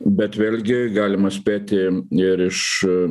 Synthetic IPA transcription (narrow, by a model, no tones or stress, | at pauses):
bʲɛt̪ʋʲeːlʲɡʲɪɡɑːlʲɪmɐsʲpʲæːt̪ʲɪɪɾɪʃ